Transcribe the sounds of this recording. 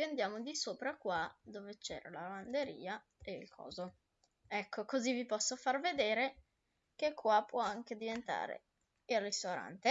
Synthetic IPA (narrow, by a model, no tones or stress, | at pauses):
and̪jaːmod̪isoːpɾakwad̪oːvet͡ʃɛ̰ːɾa̰laband̪eɾḭːa | eilkʰɔ̰ːzo | ɛkʰːokozivipɔsːofarved̪eːɾe | kekʰːwapːwɔaŋk̟ed̪ivent̪a̰ːɾḛ | irːist̪oɾa̰nt̪e